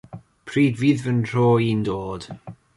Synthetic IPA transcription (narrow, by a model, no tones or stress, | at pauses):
pʰriːdviːðvənr̥oːiːndoːd̥